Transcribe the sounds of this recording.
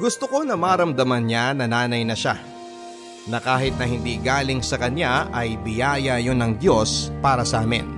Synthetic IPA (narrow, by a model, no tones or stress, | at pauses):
ɡʊst̪oko̞nɐmaːɾɐmd̪ɐmɐnɲanɐnaːnɐjnɐʃa | nɐkaːɦɪt̪̚nɐhɪnd̪iːɡaːlɪŋsɐkɐnaʔɐjbɪjaːjɐjonɐŋd̪jo̞spaːɾɐsɐʔaːmɛ̰n